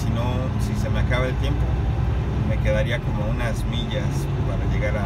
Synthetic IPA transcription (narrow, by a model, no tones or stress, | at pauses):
sino̞ | sise̞me̞akaβaelt̪je̞mpo̞ | me̞ke̞ðaɾiako̞mo̞unazmiʝas | paɾaʝe̞ɣaɾa